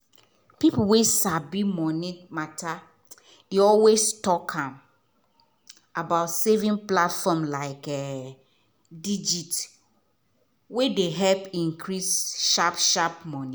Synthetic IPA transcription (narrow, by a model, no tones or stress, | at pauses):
piplwesabimɔnimatʰa | iɔlwestɔkʰãm | abaʊtsevĩŋplatfɔmlaɪkɛ | did͡ʒit | wedeɦɛlpĩŋkʰɹisʃapʃapmɔ̃ni